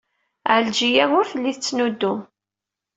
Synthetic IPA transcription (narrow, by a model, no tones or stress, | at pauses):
ʕld͡ʒijæwʊɾθəlːiθət͡sːnud̪ːʊm